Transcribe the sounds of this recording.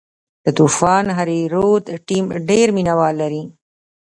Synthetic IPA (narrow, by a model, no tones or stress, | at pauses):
d̪̥ət̪ufɑːnɦaɾiɾot̪ʈimɖeɾminawɑːlːaɾi